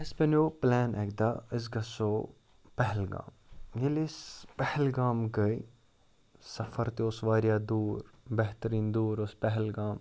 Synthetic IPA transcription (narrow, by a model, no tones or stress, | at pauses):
ɐspɐnoːplɛːnɛkd̪aːɪs̬ɡɐsoː | pɛɦlɡa̰ːmjelispɛhlɡaːmɡɐi | sɐfɐɾt̪iosʋaːɾijaːd̪uːɾbɛɦt̪əɾiːnd̪uːɾospɛɦɛlɡaːm